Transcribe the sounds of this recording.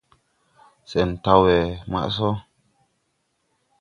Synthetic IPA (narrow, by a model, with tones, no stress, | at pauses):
sɛ˨n˨ta˧wɛ˨ma̰˦ʔs̬ɔ˦